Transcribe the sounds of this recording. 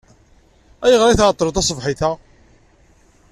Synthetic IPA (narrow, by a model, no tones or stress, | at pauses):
æjəʁɾˤiθʁt̪ˤːɾut̪ɑsˤvħiθæ